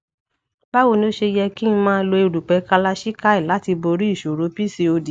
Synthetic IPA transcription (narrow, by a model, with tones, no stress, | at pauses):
ba˦wo˦˧˨nĩ˧˦o˦ʃe˧jɛ˧ki˦n̩˧mãː˦˧lo˧e˧ɾu˨k͡pɛ˨˦ka˧la˧ʃi˦ka˦i˦˨la˨˦ti˧bo˧ɾi˦i˦˨ʃo˨ɾo˨˦pi˦si˧o˧di˨